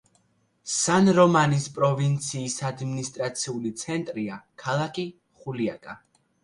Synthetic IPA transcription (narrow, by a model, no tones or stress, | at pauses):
sanɾɔmanispʼɾɔvint̪sʰiːsad̪minist̪ʼɾat̪sʰiulit̪sʰɛnt̪ʼɾiakʰalˠakʰʼi | χuliakʼa